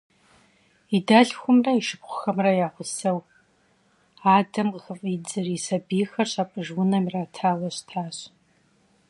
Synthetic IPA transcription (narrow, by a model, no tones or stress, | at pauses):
idaɮxʷʊmrɐiʃɨpχʷʊxɐmrɐjaːχʷʊsɐw | aːdɐmqxəfʼid͡zɨrisɐbiːxɐɕʼapʼɨʒwʊnɐmiraːtʰaːlɐɕtʰaːɕ